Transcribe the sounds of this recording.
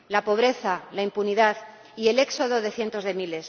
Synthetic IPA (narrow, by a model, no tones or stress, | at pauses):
lapo̞β̞ɾe̞θalaimpuniðað | ie̞le̞kso̞ð̞oðe̞θje̞nt̪o̞zðe̞mile̞s